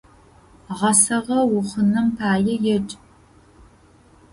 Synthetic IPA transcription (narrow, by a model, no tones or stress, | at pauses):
ʁɐsɐʁɐwʊχənɐmpʰaːjɛjɛt͡ʃʼ